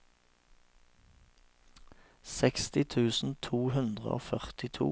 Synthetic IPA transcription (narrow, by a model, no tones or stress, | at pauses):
sɛkst̪ɪt̪ʰʉːsn̩t̪ʰuːhʉnd̪ʁə̰o̰ːfœʁt̪ɪt̪ʰṵː